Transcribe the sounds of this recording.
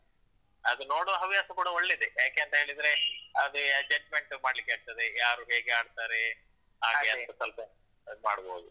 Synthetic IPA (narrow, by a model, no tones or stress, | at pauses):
ɐd̪uno̞ːɽoɦɐʋijaːsɐkuːɽɐoɭːed̪ejaːkeɐnt̪ɐɦe̞ːɭid̪ɾe̞ɐd̪eɐd͡ʒɐd͡ʒmeɳʈmaːɖlikːeaːɡ̚t̪ɐd̪ejaːɾuːɦe̞ːɡeaːɖt̪aːɾe | ɦaːɡeɐɐsɐlpɐ | maːɽboːud̪u